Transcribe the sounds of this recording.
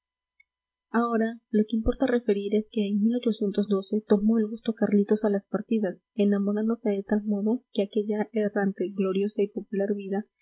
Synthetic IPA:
ao̞ɾalo̞ke̞impo̞ɾt̪are̞fe̞ɾiɾe̞ske̞ːŋmilo̞t͡ʃo̞sje̞nt̪o̞zd̪o̞se̞t̪o̞mo̞elɣust̪o̞karlit̪o̞salaspaɾt̪iðas | e̞namo̞ɾand̪o̞se̞ðe̞t̪almo̞ðo̞ke̞ake̞ʝaerant̪e̞ɣlo̞ɾjo̞saipo̞pulaɾβiða

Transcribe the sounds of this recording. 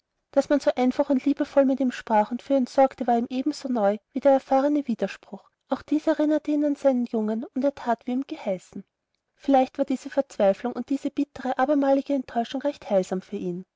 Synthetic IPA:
d̥asmanz̥oːʔaɪnfaχʊntliːbəfɔlmɪtiːmʃpʁ̥aːχʊntfyːɐɛntz̥ɔɐktəvaːɐiːmʔeːbm̩z̥oːnɔʏviːdeɐɛɐfaːʁ̞ənəviːdɐʃpʁ̥ʊx | ʔaʊxd̥iːsɛʁɪnɐtʰəiːnanz̥aɪnənjʊŋənʊndeːɐtʰaːtv̥iːiːmɡ̥əhaɪsn̩ | fɪlæɪçtv̥aːɐdiːz̥əfɛɐt͡sv̥aɪflʊŋʔʊ̰nt̚d̥iːzəb̥ɪtʰəʁəʔaːbɐmaːlɪɡ̥əɛntʰːɔʏʃʊŋʁɛçthaɪlz̥aːmfyːɐʔiːn

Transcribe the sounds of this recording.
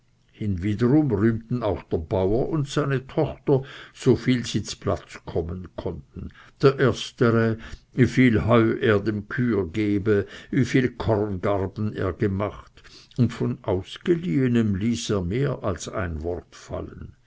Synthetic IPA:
hɪnviːdəʁʊmʁyːmtn̩aʊxd̥eːɐbaʊɐʔʊntsaɪnətʰɔxtɐz̥ofiːlzinspla̰t͡skʰɔmənkʰɔntn̩d̥eːɐʔeːɐstəʁəvifiːlhɔʏʔeːɐdemkʰyːɡeːbəviːfiːlkʰɔʁnɡaʁbn̩ḛːɐɡəmaχt | ʊntfonʔaʊsɡ̥əliːənəmliːseːɐmeːʔalsa̰ɪnvɔʁtfa̰lən

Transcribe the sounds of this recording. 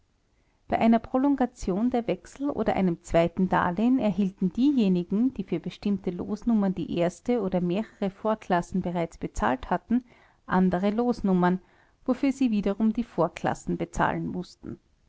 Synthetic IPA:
b̥aɪʔaɪnɐpʁ̥olɔŋɡat͡sjoːndeːɐvɛksl̩ʔo̰ːdɐʔæ̰ɪnəmt͡sv̥aɪtn̩da̰ːlenɛɐɦiːltn̩d̥iːjeːnɪɡŋ̩d̥iːfyːɐbəʃtɪmtəlo̰ːsnʊmɐndḭːʔeːɐstəoːɾɐmeːʁəʁəfoːɐkʰl̥asn̩bəʁaɪt͡sb̥ət͡sa̰ːlthatn̩ | ʔandəʁəloːsnʊmɐn | vofyːɐziːviːdɐʁʊmdiːfoːɐkʰl̥a̰sn̩bət͡sa̰ːlənmʊstn̩

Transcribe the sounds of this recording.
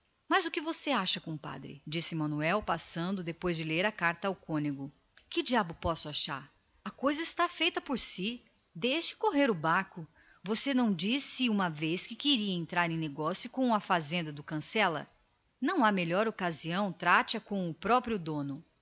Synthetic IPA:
mɐzʊkɪvoseaʃɐkõpa̰d̪ɾɪ̰d͡ʒisɪmɐ̃nuɛwpasɐ̃nd̪ʊd̪epojzd͡ʒɪleɾɐkaɾt̪ɐawkõniɡʊ | kɪd͡ʒiabʊpɔsʊaʃaɾ | ɐkojzɐɪst̪afejt̪ɐpoɾsi | d̪ejʃɪ̥koɦeɾʊbakʊ | vosenɐ̃w̃d͡ʒisɪũmɐveskɪkeɾiɐẽnt̪ɾaɾẽneɡɔsjʊkõw̃ɐfazẽnd̪ɐd̪ʊkɐ̃sɛlɐ̰ | nɐ̃w̃ameʎɔɾokaziɐ̃w̃t̪ɾat͡ʃɐkõʊpɾɔpɾiʊd̪õnʊ

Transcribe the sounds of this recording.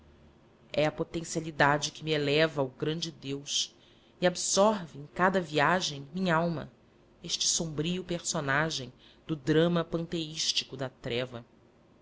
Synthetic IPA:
ɛɐpot̪ẽsialid̪ad͡ʒɪkɪmielɛvɐʊɡɾɐ̃nd͡ʒɪd̪ews | iabsɔɾviẽj̃kad̪ɐviaʒẽj̃mĩɲɐawmɐ̰ | eʃt͡ʃɪ̥sõmbɾiʊpeɾsonaʒẽj̃ | d̪ʊd̪ɾɐ̃mɐpɐ̃nt̪eiʃt͡ʃi̥kʊd̪ɐt̪ɾɛvɐ

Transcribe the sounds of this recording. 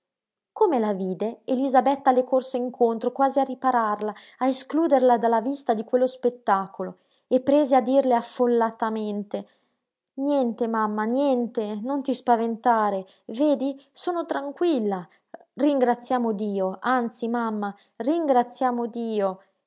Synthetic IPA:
komelaviːd̪eelizabɛt̪ːalekorseiŋkʰont̪ɾokwaːziaripaɾarlaː | eskluːd̪erlad̪alːavist̪ad̪ikwelːospet̪ːaːkolo | epːɾeːzead̪ːirleafːolːat̪ament̪e | njɛnt̪emamːanjɛnt̪enont̪ispavent̪aːɾe | veːd̪isoːnot̪ɾaŋkwilːa | riŋɡɾat̪sːjaːmod̪iːoant̪simamːa | riŋɡɾat̪sːjaːmod̪iːo

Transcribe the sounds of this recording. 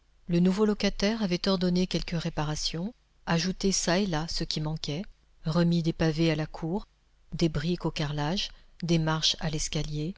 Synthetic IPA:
lənuvolɔkʲat̪ɛʁavɛt̪ɔʁd̪ɔnekʲɛlkəʁepaʁasjɔ̃ | aʒut̪esaelasəkʲimɑ̃kʲɛ | ʁəmid̪epavealakʰuːʁ | d̪ebʁikokaʁlaʒ | d̪emaʁʃa̰lɛskʲalje

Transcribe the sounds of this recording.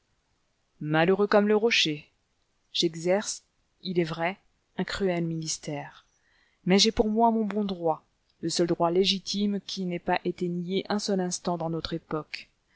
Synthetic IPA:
maløʁøkɔmləʁɔʃe | ʒ̥ɛɡzɛʁs | ilɛvʁɛ | ɛ̃kχyɛlminist̪ɛːʁ | mɛʒɛpuʁmwamɔ̃bɔ̃d̪ʁwa | ləsœld̪ʁwaleʒit̪imkʲʰinɛpaʔet̪enijeʔɛ̃sœlɛ̃st̪ɑ̃d̪ɑ̃nɔt̪χepɔk

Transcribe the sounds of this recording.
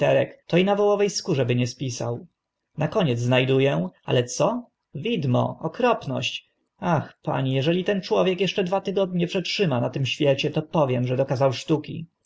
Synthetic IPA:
t̪ɛɾɛkt̪ɔinavɔwɔvɛjskuʐɛbɘɲɛspʲisa̰w | nakɔɲɛd̪zznajd̪ujɛa̰lɛt̪sɔ | vʲid̪mɔ̰ɔkɾɔpnɔ̰ɕt͡ɕ | axpa̰ɲijɛʐɛlʲit̪ɛnt͡ʂwɔvʲjɛkjɛʂt͡ʂɛd̪vat̪ɘɡɔd̪̚ɲɛpʂɛtʂɘmanat̪ɘmɕfʲjɛt͡ɕɛt̪ɔpɔvʲjɛmʐɛd̪ɔkazawʂt̪ukʲḭ

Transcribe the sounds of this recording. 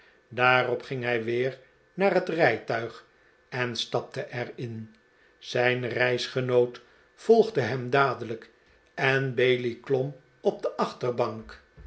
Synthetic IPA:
daːrɔpχɪŋɦɛjʋɪːr | naːrɦətrɛjtœɥχ | ɛnstɑp̚təʔɛrɪn | z̥ɛjnrɛjsχənowt | fɔlˠχdəɦɛmdaːdələk | ɛnbejliklɔm | ɔb̚dəʔɑχtərbɑŋk

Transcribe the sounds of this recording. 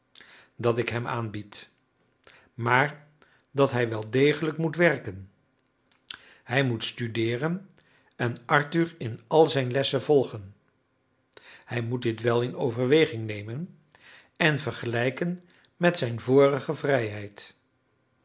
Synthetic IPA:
dɑtɪkɦɛma̰ːnbit | maːɹ | dɑtɦɛjʋɛlˠdejχələkmutʋɛɹkən | hɛjmutstydɪːrən | ɛnʔɑɹtyɹɪnɑlˠzɛjnlɛsəvɔlˠχən | hɛjmut̚dɪtʋɛlˠɪnowvəɹʋejχɪŋnejmən | ɛnvəɹχəlɛjkən | mɛtsɛjnvʊːrəχəvrɛjɦɛjt

